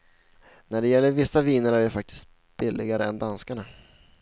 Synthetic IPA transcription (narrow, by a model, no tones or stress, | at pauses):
næɖɛjɛlːəɾvɪsːaviːnəɾæɾjɪfak̚t̪ʰɪ̥st̪̚ | b̥ɪlːɪɡaɾəɛnd̪anskaɳa